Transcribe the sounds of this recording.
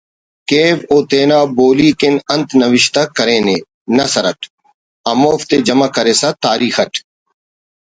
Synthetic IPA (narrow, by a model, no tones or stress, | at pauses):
keːʋoːt̪eːnaːboːliːkɪnənt̪ʰnəʋɪʃt̪akəɾẽːneː | nɐsəɾəʈʰ | ɐmoːft̪eːd͡ʒəmaːkəɾeːsat̪aːɾiːxəʈʰ